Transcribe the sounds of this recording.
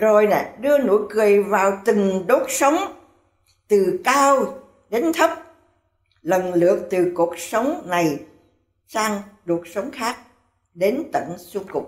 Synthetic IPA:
zo˨˩jna˨˩ɗɨ˧əno̰˧˥jkɨ˨˩əjvaː˨˩wt̪ï˨˩ŋɗo˦˥t̚sə˨˦wŋ͡m | t̪ɨ˨˩kaː˧w | ɗe˨˦nt̪ʰə˦˥p̚ | lə˨˩nlɨ̰˨˧˨ək̚t̪ɨ˨˩ku˨˩ək̚sə˨˦wŋ͡mna˨˩j | saː˧ŋɗu˨˩ək̚sə˨˦wŋ͡mxaː˦˥k̚ | ɗe˨˦nt̪ə̰˧˩˨nsu˧ŋ͡mkʊ˨˩k͡p̚

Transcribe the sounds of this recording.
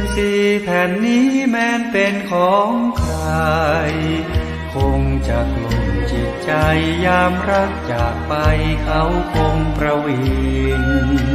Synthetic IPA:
siː˧˩p̪ʰɛː˨˩nːiː˦˥mɛː˦˥npe˧nkʰɔː˨˦ŋkʰɾa˧j | kʰo˧ŋt͡ɕa˨˩k̚lo˧˩mt͡ɕi˨˩t̪̚t͡ɕa˧jːaː˧mɾa˦˥k̚t͡ɕaː˨˩k̚pa˧jkʰa˦˥wkʰo˧ŋpɾa˧weː˧ŋ

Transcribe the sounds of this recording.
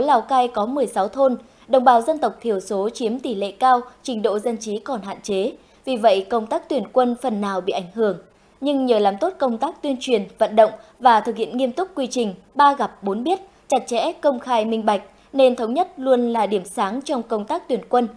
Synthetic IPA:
o˨˦laː˨˩wkaː˧jkɔ˨˦mɨ˨˩əjsa˨˦wt̪ʰo˧n | ɗə̰˨˧˩wŋ͡mɓaː˨˦wzə˧nt̪ə˨˩wk͡p̚t̪ʰi˧˩əwso˨˦t͡ɕi˨˦əmt̪i˧˩lḛ˧˨kaː˧wt͡ɕï˨˦ŋ̟ɗo̰˧˨zə˧nt͡ɕi˨˦kɔ˨˩nɦa̰ː˧˨nt͡ɕe˨˦ | vi˨˩və̰˧˨jkə˧wŋ͡mt̪aː˦˥k̚t̪wi˧˩ənkwə˧nfə˨˩nːaː˨˩wɓḭ˧˨ʔa˧˩ŋ̟ɦɨ˧˩əŋ | ɲɨ˧ŋɲəː˨˩laː˨˩mt̪o˦˥t̚kə˧wŋ͡mt̪aː˦˥k̚t̪wi˧ənt͡ɕwi˨˩ənvə̰˧˨nɗə̰˧˨wŋ͡mvaː˨˩t̪ʰɨ˨˩k̚hḭ˧˨ənŋi˧əmt̪ʊ˦˥k͡p̚kːwi˧t͡ɕï˨˩ŋ̟ | ɓaː˧ɣa˨˩p̚ɓo˨˦nɓi˦˥ət̚ | t͡ɕa˨˩t̚t͡ɕɛ̰˧˥kə˧wŋ͡mxaː˧jmï˧ŋ̟ɓa˨˩jk̟̚ | ne˧nt̪ʰə˨˦wŋ͡mɲə˦˥t̚lu˧ənlaː˨˩ɗi˧˩əmsaː˨˦ŋt͡ɕɔ˧wŋ͡mkə˧wŋ͡mt̪aː˦˥k̚t̪wi˧˩ənkwə˧n

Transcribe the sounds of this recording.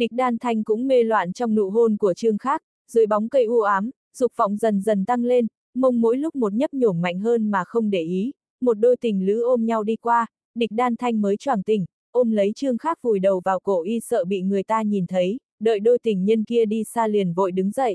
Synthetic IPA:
ɗï˨˩k̟̚ɗaː˧nt̪ʰa˧jŋ̟kʊ̰˧˥ŋ͡mme˧lwa̰ː˧˨nt͡ɕɔ˧wŋ͡mnṵ˧˨ɦo˧nku˧˩ət͡ɕɨ˧əŋxaː˦˥k̚ | z̥ɨ̰˧˥˦jɓɔ˨˦wŋ͡mkə˧jʔu˧ʔaː˨˦m | z̥ʊ˨˩k͡p̚fɔ̰˧˨wŋ͡mzə˨˩nzə˨˩nt̪a˧ŋle˧n | mə˧wŋ͡mmo̰˧˥jlʊ˦˥k͡p̚mo˨˩t̚ɲə˦˥p̚ɲo˧˩mma̰˧˨jŋɦəː˧nmaː˨˩xə˧wŋ͡mɗe˧˩ʔi˨˦ | mo˨˩t̚ɗo˧jt̪ï˨˩ŋ̟lɨ̰˧˥ʔo˧mɲa˧wɗi˧kwaː˧ | ɗï˨˩k̚ɗaː˧nt̪ʰa˧jŋ̟məː˨˦jt͡ɕwaː˧˩nt̪ï˨˩ŋ̟ | ʔo˧mlə˨˦jt͡ɕɨ˧əŋxaː˦˥k̚vu˧˩jɗə˨˩wvaː˨˩wko̰˧˩˨ʔi˧sə̰ː˧˨ɓḭ˧˨ŋɨ˨˩əjt̪aː˧ɲi˨˩nt̪ʰə˨˦j | ɗə̰ː˧˨jɗo˧jt̪ï˨˩ŋ̟ɲə˧nki˧əɗi˧saː˧li˨˩ənvo̰˧˨jɗɨ˨˦ŋzə̰˧˨jʔ

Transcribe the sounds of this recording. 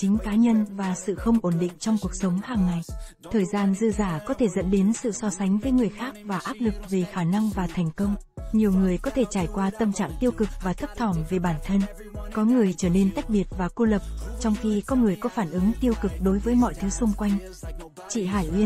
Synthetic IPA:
t͡ɕï˨˦ŋ̟kaː˨˦ɲə˧nvaː˨˩sɨ̰˧˨xə˧wŋ͡mʔo˧˩nɗḭ˧˨ŋ̟t͡ɕɔ˧wŋ͡mku˨˩ək̚sə˨˦wŋ͡mhaː˨˩ŋːa˨˩j | t̪ʰəː˨˩jzaː˧nzɨ̰˧zaː˧˩kɔ˨˦t̪ʰe˧˩zə̰˧˥nɗe˨˦nsɨ̰˧˨sɔ˧sa˨˦jŋ̟vəː˨˦jŋɨ˨˩əjxaː˦˥k̚vaː˨˩ʔaː˦˥t̚lɨ˨˩k̚vi˨˩xaː˧˩na˧ŋvaː˨˩t̪ʰɛ˨˩jŋ̟kə˧wŋ͡mɲi˨˩əwŋɨ˨˩əjkɔ˨˦t̪ʰe˧˩t͡ɕaː˧˩jkwaː˧t̪ə˧mt͡ɕa̰ː˧˨ŋt̪i˧əwkɨ˨˩k̚vaː˨˩t̪ʰə˦˥p̚t̪ʰɔ˧˩mve˨˩ɓaː˧˩nt̪ʰə˧n | kɔ˨˦ŋɨ˨˩əjt͡ɕəː˧˩ne˧nt̪a˦˥jk̚ɓi˨˩ət̚vaː˨˩ku˧lə˨˩p̚t͡ɕɔ˧wŋ͡mxi˧kɔ˨˦ŋɨ˨˩əjkɔ˨˦faː˧˩nʔɨ˨˦ŋt̪i˧əwkɨ˨˩k̚ɗo˨˦jvəː˨˦jmɔ̰˧˨jt̪ʰɨ˨˦sʊ˧ŋ͡mkwa˧jŋ̟ | t͡ɕḭ˧˨ɦaː˧˩jʔwi˧ən

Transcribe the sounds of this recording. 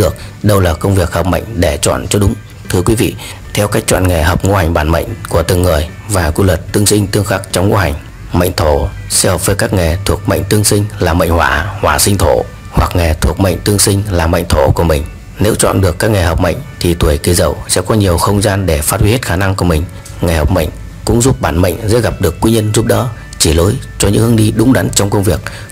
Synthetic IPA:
ɗɨ˨˩ək̚ | ɗə˧wlaː˨˩kə˧wŋ͡mvi˨˩ək̚həː˨˩p̚mə̰˧˨jŋ̟ɗe˧˩t͡ɕwɔ̰ː˧˨nt͡ɕɔ˧ɗʊ˨˦ŋ͡m | t̪ʰɨ˧əkwi˨˦vḭ˧˨ | t̪ʰɛ˧wkaː˦˥k̚t͡ɕwɔ̰˧˨nŋe˨˩ɦəː˨˩p̚ŋu˧ha˨˩jŋ̟ɓaː˧˩nmə̰˧˨jŋ̟ku˧˩ət̪ɨ̰˨˩əŋːɨ˨˩əj | vaː˨˩kwi˧lwə˨˩t̚t̪ːɨ˧əŋsï˧ŋ̟t̪ɨ˧əŋxaː˦˥k̚t͡ɕɔ˧wŋ͡mŋo̰˧ɦa˨˩jŋ̟ | mə̰˧˨jŋ̟t̪ʰo˧˩ | sɛ̰˧˥həː˨˩p̚vəː˨˦jkaː˦˥k̚ŋe˨˩t̪ʰu˨˩ək̚mə̰˧˨jŋ̟t̪ɨ˧əŋsï˧ŋ̟laː˨˩mə̰˧˨ŋ̟hwaː˧˩hwaː˧˩sï˧ŋ̟t̪ʰo˧˩ | hwa˨˩k̚ŋɛ˨˩t̪ʰu˨˩ək̚mə̰˧˨jŋ̟t̪ɨ˧əŋsï˧ŋ̟laː˨˩mə̰˧˨ŋ̟t̪ʰo˧˩ku˧˩əmï˨˩ŋ̟ | ne˨˦wt͡ɕwɔ̰˧˨nɗɨ˨˩əkːaː˦˥k̚ŋe˨˩hə˨˩wp̚mə̰˧˨jŋ̟t̪ʰi˨˩t̪wu˧˩əjki˧˩zə̰˧˨wsɛ̰˧˥kɔ˨˦ɲi˨˩əwxə˧wŋ͡mzaː˧nɗe˧˩faː˦˥t̚wi˧˦he˦˥t̚xaː˧˩na˧ŋku˧˩əmï˨˩ŋ̟ | ŋa˨˩hə˨˩wk͡p̚mə̰˧˨jŋ̟ | kʊ̰˧˥ŋ͡mzu˦˥p̚ɓaː˧˩nmə̰˧˨jŋ̟zɛ̰˧˥ɣa˨˩p̚ɗɨ˨˩əkːwi˧ɲə˧nzu˦˥p̚ɗɔ̰˧˨˦ | t͡ɕi˧˩lo˨˦jt͡ɕɔ˧ɲɨ̰˧˥ŋhɨ˧əŋɗi˧ɗʊ˨˦ŋ͡mɗa˨˦nt͡ɕɔ˧wŋ͡mkə˧wŋ͡mvi˨˩ək̚

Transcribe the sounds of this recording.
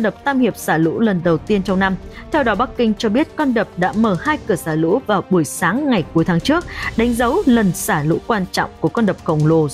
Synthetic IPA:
nɗə˨˩p̚t̪aː˧mhi˨˩əp̚saː˧˩lṵ˧˥lə˨˩nɗə˨˩wt̪i˧ənt͡ɕɔ˧ŋ͡mna˧m | t̪ʰɛ˧wɗɔ˨˦ɓa˦˥kkï˧ŋ̟t͡ɕɔ˧ɓi˦˥ət̚kɔ˧nɗə˨˩p̚ɗa̰ː˧˥məː˨˩haː˧jkɨ˧˩əsaː˧˩lṵ˧˥vaː˨˩wɓu˧˩əjsaː˨˦ŋːa˨˩jku˨˦jt̪ʰaː˨˦ŋt͡ɕɨ˦˥ək̚ɗa˨˦jŋ̟zə˨˦wlə˨˩nsaː˧˩lṵ˧˥kwaː˧nt͡ɕɔ̰˧˨wŋ͡mku˧˩əkɔ˧nɗə˨˩p̚xə˧˩wŋ͡mlo˧˩

